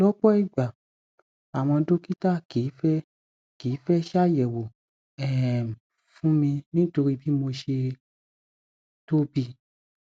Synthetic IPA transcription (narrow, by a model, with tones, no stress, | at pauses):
lɔ˦k͡pɔ˦i˦˨ɡ͡ba˨ | a˨w̃ɔ̃˧do˦ki˦ta˦˨ki˨˦fɛ˦ | kiː˨˦fɛ˦ʃa˦˨jɛ˨wo˨ | ɛ˦˨m˨ | fũ˦mĩ˧nĩ˦to˧ɾi˦bi˦mo˧ʃe˧ | to˦bi˧˦